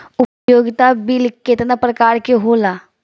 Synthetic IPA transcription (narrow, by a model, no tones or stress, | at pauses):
ʊpjoːɡɪt̪abilkːet̪napɾɐkaːɾkeɦoːlaː